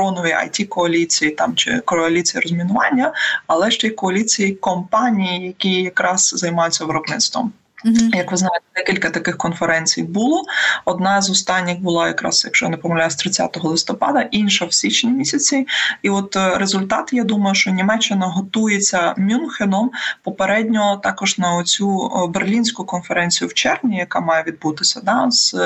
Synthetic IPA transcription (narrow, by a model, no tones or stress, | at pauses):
ɾɔnɔʋʲiɐ̰jtʲikɔɐlʲit͡sʲijit̪ɑmt͡ʃɪ̰kɔɐlʲit͡sʲijiɾɔzʲmʲinʊʋɑnʲːɐɐlˠɛʃt͡ʃɛjkɔɐlʲit͡sʲijikɔmpɑnʲijijɐkʲijɐkɾɑz̥zɐjmɑjʊt͡sʲːɐʋɪɾɔbnɪt̪st̪ʋɔ̰m | jɐkʋɪznɑjet̪ɛd̪ɛkʲilʲkɐt̪ɐkɪxkɔnfeɾɛnʲt͡sʲḭjbʊlˠɔɔd̪nɑzɔst̪ɑnʲːɪxbʊlˠɑjɐkɾɑ̰z̥jɐkʃt͡ʃɔ̰jnɪpɔmɐlʲajʊsʲt̪ɾɪt͡sʲa̰t̪ɔɦɔlˠɪst̪ɔpɑ̰d̪ɐʔinʃɐwsʲit͡ʃnʲimʲisʲɐt͡sʲiiɔt̪ɾezʊlʲt̪ɑt̪jad̪umɐjʊʃt͡ʃɔnʲimɛt͡ʃːɪnɐɦɔt̪ujet͡sʲːɐmʲunxenɔmpɔpeɾɛdʲnʲɔt̪ɑkɔʒnɐɔt͡sʲuberlʲinʲsʲkʊkɔnfeɾɛnʲt͡sʲijʊwt͡ʃɛrnʲijɐkamɑjeʋʲid̪̚but̪ɪsʲɐd̪ɑz̥